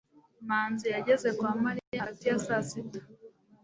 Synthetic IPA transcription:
maːnzijaɟeze̞kwaːmaɾijaɾatijasasitḁ

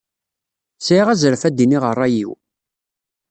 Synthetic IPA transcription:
siʁæzəɾəfæd̪iniʁərˤːɑjḭw

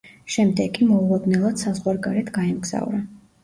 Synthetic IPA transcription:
ʃɛmd̪ɛɡʰimɔulˠɔd̪nɛlˠad̪̥sazʁwaɾɡaɾɛt̪ʰɡaɛmɡz̥a̰vɾa

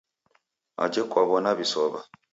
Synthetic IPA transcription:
a̰d͡ʒekwaβɔnaβisɔβa

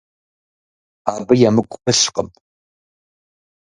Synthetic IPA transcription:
aːbɨjamɨkʷʼpɨɬqəm

